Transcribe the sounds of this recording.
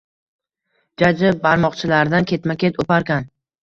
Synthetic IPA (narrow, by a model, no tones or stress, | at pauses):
d͡ʒad͡ʒɪbaɾmɒqt͡ʃʰɪlaɾd̪ankʲʰe̞t̪makʲʰe̞t̪ʰopaɾkʲan